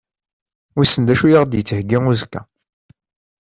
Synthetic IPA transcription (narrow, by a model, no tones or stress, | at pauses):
ʊɾsːənd̪æʃujaʁd̪jət͡sːəhɡːiŋuzkːæ̰